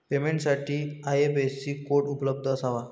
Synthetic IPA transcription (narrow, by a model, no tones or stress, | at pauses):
pemẽɳʈsaʈʰiːajebesiːkoʈupləb̚d̪ʱəsaʋa